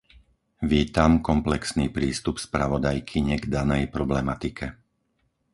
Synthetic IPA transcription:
ʋiːt̪amkɔmplɛksniːpɾiːst̪upspɾaʋɔd̪ajkʰiɲɛɡd̪anɛjpɾɔblɛmat̪ikʰɛ

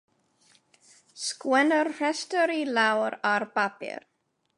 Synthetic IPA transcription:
skwɛ̃ndəɾhɛstəɾilawəɾaɾpapḭɾ

